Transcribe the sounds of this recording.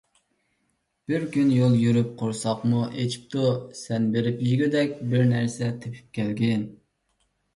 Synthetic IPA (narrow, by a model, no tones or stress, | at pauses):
b̥ɪɾkʲynjolˠjyɾyp̚qʰoɾsɑqmuʔet͡ʃʰi̥p̚t̪ʰusɛnbeɾɪpjyzɡʲid̪ɛkʲbɪɾnæɾsɛt̪ʰepʰy̥p̚kʲʰɛlɡʲɪn